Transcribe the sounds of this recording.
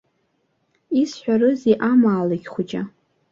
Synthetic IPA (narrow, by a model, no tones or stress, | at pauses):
isħʷᶣarɨziʔamaːlaɡʲχʷʊt͡ʃʼa̰